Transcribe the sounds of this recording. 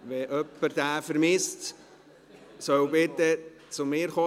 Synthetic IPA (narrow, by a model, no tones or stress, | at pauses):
ʋɛʔœpːəɾd̥̪æːfəɾmɪst | sœwbɪt̪ːə | t͡sʊmɪːɾχo